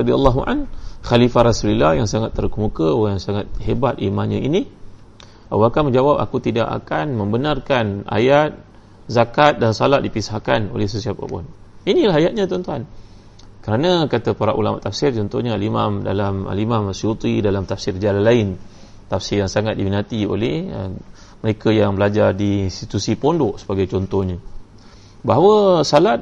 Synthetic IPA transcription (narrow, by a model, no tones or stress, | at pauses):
d̪ia̰lˤːaɦuʔa̰nxalifaɾasulilajaŋsaŋat̪ːərkəmukəwajaŋsaŋat̪̚hebat̪imãɲãini | a̰wakanmə̃ɲd͡ʒawapa̰kut̪ida̰ʔa̰kanmə̃mbənarkana̰jat̪̚ | zakat̪̚dansalaʔdipisahkano̰lɛhsəsiapa̰pʊ̰ninĩlaɦajat̪̚ɲãt̪ɔnt̪uan | kəɾanãkat̪apaɾaʔulama̰ʔt̪afsɪrt͡ʃɔnt̪ɔhɲaalimamda̰lama̰limamsiut̪ɾidalamt̪afsɪrd͡ʒalanlːaɪn | t̪afsɪrjaŋsaŋat̪̚diminat̪io̰lɛhə̰ | məɾekajaŋbəlad͡ʒardiːnst̪it̪usipondɔʔsəbaɡajt͡ʃɔnt̪ɔhɲã | baɦawəsalat̪̚